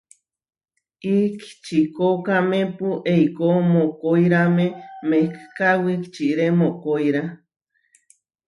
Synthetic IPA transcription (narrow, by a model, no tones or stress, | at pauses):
iki̥t͡ʃikokamẽpuʔeikomokoiɾamemekkawikt͡ʃiɾemokojɾa